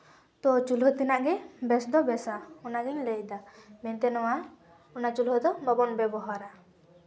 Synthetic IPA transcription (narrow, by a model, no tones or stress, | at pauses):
t̪ɔt͡ʃulɦɔt̪inaʔɡɛbɛsd̪ɔbɛsaɔnaɡɛɲləjd̪amɛnt̪ɛnɔwa | ɔnat͡ʃulɦɔd̪ɔbabɔnbɛbɔɦaɾa